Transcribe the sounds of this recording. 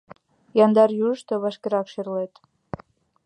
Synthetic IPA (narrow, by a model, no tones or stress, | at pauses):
jɑnd̪ɑɾjuʃt̪ɤβɑʃkʲeɾɑkʃerlet̪